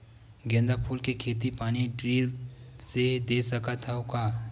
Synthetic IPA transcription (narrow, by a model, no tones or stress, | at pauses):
ɡẽːnd̪apʰuːlkekʰeːt̪̬ipaːniɖɾiːlsed̪eːsɐkat̪ʰəokaː